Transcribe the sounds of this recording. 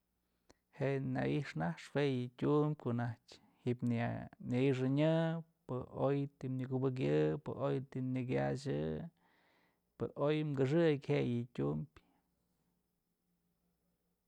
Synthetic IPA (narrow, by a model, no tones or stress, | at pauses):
heʔna̰iʂnahʂwejɨtʲumbʲkoʔnahtʲ | hiʔpnnaiʂ̬ɨɲɨpɨojt̪imnɨkubɨk̬jɨpɨ̰ʔojt̪inɨk̬ʲa̰t͡ʃ̬ɨ | pɨʔojmkɨʂ̬ɨkʲhejɨtʲumbʲ